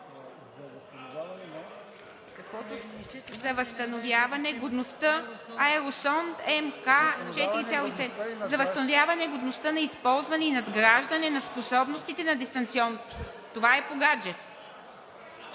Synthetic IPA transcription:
zɐvɐst̪ɐnovjavɐnɛɡod̪nost̪əɐɛɾosɔnt̪ɛmkat͡ʃɛt̪iɾit̪sʲjalˠoisɛzɐvəst̪ɐnovʲjavɐnɛɡod̪nost̪ənɐispɔlˠzvɐnɛinɐd̪ɡɾaʒd̪ɐnɛnɐsposɔbnost̪it̪ɛnɐd̪ɛst̪ɐnt̪siɔnot̪o | t̪ovaɛpoɡad͡ʒɛf

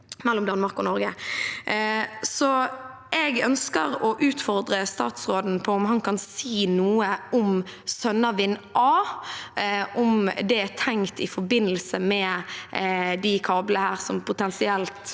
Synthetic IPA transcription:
mɛlːɔmd̪ɑnmɑʁkɔnɔɾɡə | sɔ | ɛɡœnskəɾɔʔʉːt̪fɔʁd̪ɾəst̪ɑ̰ːt̪sʁoːd̪n̩pʰɔʊmhɑnkʰɑnsiːnuːəʊmsœnəʋɪnʔɑː | ʔʊmd̪ɛæt̪ʰɛŋt̪ɪfɔbɪnːəlsəmɛ | d̪ɪkʰɑːbləhæːʁsɔmpʰʊt̪ɛnsɪɛlt̪

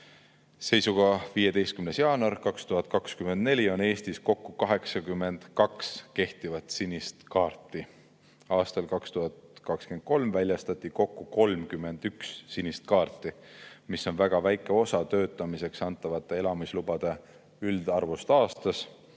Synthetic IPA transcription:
se̞jsuɡ̥ɑviːje̞d̪e̞jst̪kymnesjɑːnɑrkɑkst̪uɦɑd̪̥̚kɑkskymend̪̚ne̞lʲio̞ne̞ːst̪isko̞kːukɑɦe̞ksɑkymːe̞nd̪̥kɑkske̞ht̪ivɑt̪sinʲːist̪kɑːrt̪ˑːi | ɑːst̪ɑlkɑkst̪uɦɑt̪kɑkskend̪̥̚ko̞lmvælʲjɑst̪ɑt̪ːˑiko̞kːuko̞lmkymːe̞nd̪̥ykssinʲist̪̚kɑːrt̪ːˑimiso̞nvæɡ̥ɑvæjkːˑe̞o̞sɑt̪ø̞ːt̪ːˑɑmise̞ksɑnt̪ːˑɑvɑt̪ːˑee̞lɑmislubɑd̪̥e | yld̪̥ɑrvust̪ɑːst̪ɑs

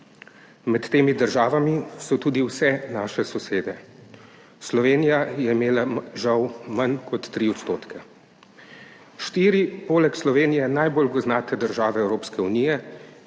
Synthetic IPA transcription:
mɛt̪ːeːmid̪əɾʒaːʋamisɔt̪uːd̪iwsɛnaːʃɛsɔseːd̪ɛ | slɔʋeːnijajɛimeːlaʒawmankɔt̪ːɾiɔt̪st̪oːt̪kʰɛ | ʃt̪iːɾipoːlɛkslɔʋeːnijɛnajbolɡɔznaːt̪ɛd̪əɾʒaːʋɛɛwɾoːpskɛuniːjɛ

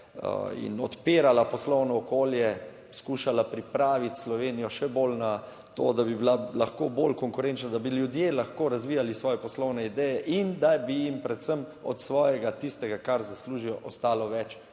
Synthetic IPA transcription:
ə̰ḭnɔ̰t̪peːɾalapɔslɔwnɔːkoːljɛ | skuːʃalapɾipɾaːʋit̪slɔʋeːnijɔʃɛbolna | t̪o̰d̪abibilalaxkobolkɔŋkʊɾent͡ʃnad̪abiljud̪jelaxkoːɾazʋiːjalisʋɔːjɛpɔslɔwnɛid̪ɛjɛʔind̪abijimpɾɛt̪səmɔ̰t̪sʋɔːjɛɡat̪ist̪ɛɡakaɾzasluːʒijɔʔɔst̪aːlɔʋɛt͡ʃ

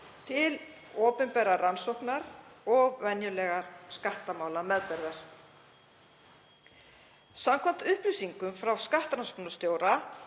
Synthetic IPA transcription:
t̪ʰɪl | ɔːpʏnpɛːɾaransɔhknaɾɔɣvɛnjʏlɛɣaɾskaht̪amaːwlamɛðpɛɾðaɾ̥ | samkʰvam̥t̪ʏhplʏsiŋkʏmfɾawskaht̪ɾansknast̪joːwɾa

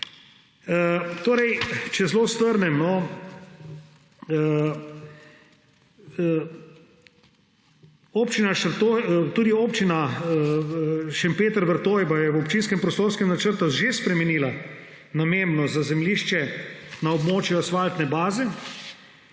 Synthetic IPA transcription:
t̪oːɾɛjt͡ʃɛzloːst̪ʋəɾnɛmnɔ | oːpt͡ʃinaʃəɾt̪ojt̪uːd̪ioːpt͡ʃina | ʃɛmpeːt̪əɾʋəɾt̪oːjbajɛwɔpt͡ʃins̬kɛmpɾɔst̪oːɾskɛmnat͡ʃəɾt̪uʒespɾɛmɛniːla | namembnɔzazɛmliːʃt͡ʃɛnaɔbmoːt͡ʃjɔsʋalt̪nɛbaːzɛ

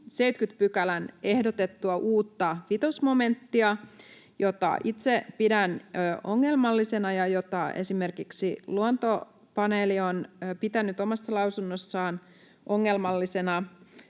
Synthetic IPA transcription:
sejt̪kyt̪pykælæne̞hdot̪et̪ːuɑʔuːt̪ːɑʋit̪osmo̞me̞nt̪ːiɑ | jot̪ɑ̰ʔit̪sepidænøʔoŋːe̞lmɑlːisenɑjɑjot̪ɑʔḛsime̞rkiksiluont̪o | pɑnelionpit̪ænyt̪omɑsːɑlɑwsunːosːɑːn | ʔoŋːelmɑlːisenɑ

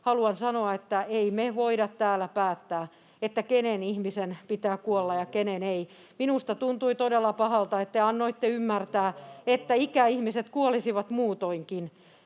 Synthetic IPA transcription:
hɑluɑnsɑnoɑet̪ːæeimeʋoiɾɑt̪t̪æːlæpæːt̪ːæː | et̪ːækenenihmisenpit̪æːkuolːɑjɑkenenei | minust̪ɑt̪unt̪uit̪odelːɑpɑhɑlt̪ɑet̪ːeɑnːoit̪ːeymːært̪æːet̪ːæikæihmiset̪kuolisiʋɑt̪muːt̪oiŋkin

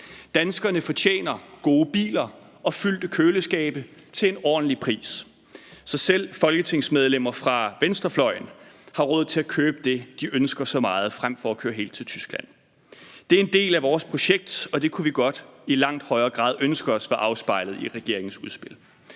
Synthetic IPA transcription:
d̥ænsɡ̥ɐnəfɒ̽t͡ɕʰjḛːnɐɡ̥o̝ːəb̥ḭːlɐ | ɒ̽fyl̰d̥əkʰøːləsɡ̥ɛ̰ːb̥ət͡sʰe̝enɒ̰ːd̥n̩lipʰʁḭːs | sɒ̽sel̰fɒ̽lɡ̥ət͡sʰe̝ŋ̰smeð̞ˠlem̰ɐfʁɑ̈ʋensd̥ʁɐflɒ̽ɪ̰n̩hɑ̈ʁɔ̽ːð̞̩̰ˠt͡sʰe̝lækʰøːb̥əd̥e̝d̥iʔønsɡ̥ɐsɒ̽mɑ̈ːð̞̩ˠfʁam̰fɒ̽ækʰøːɐɦe̝̰ːld̥̚t͡sʰe̝lt͡sʰysɡ̥læn̰ | d̥e̝æɐe̝nd̥e̝̰ːlæʋɒːspʰʁo̝ɕeɡ̥̚d̥ɒ̽d̥e̝kʰuʋiɡ̥ɒ̽d̥ilɑ̈ŋ̰d̥hɒ̽ɪɐːɡ̥ʁɑ̰̈ːð̞ˠønsɡ̥ɐɒsʋæɐʔɑ̈ʊsb̥ɑ̈ɪ̰lð̩ˠiʁɛɡ̥e̝ɐ̰e̝ŋn̩suð̞ˠsb̥e̝l

